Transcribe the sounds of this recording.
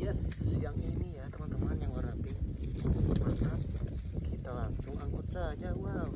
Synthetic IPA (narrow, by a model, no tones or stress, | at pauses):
jɛsjaŋinijat̪əmant̪əmanjaŋwaɾapɪ | amat̪ap | kʰit̪alaŋsʊŋaŋɡot͡ʃad͡ʒawaw